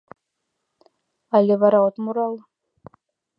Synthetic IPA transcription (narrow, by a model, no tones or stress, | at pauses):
alʲeβɑɾɑot̪muɾɑlˠ